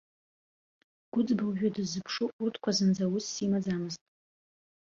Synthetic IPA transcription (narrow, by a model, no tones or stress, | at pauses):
ɡ̥ʷʊd͡zbɨlʒᶣʊdɨzɨpʰʂuʔʊrtʰkʷʰazɨnd͡zawʊsːimad͡zamɨztʼ